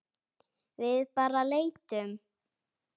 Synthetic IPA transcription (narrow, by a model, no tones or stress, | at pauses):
vɪðpaːɾaleːjt̪ʏm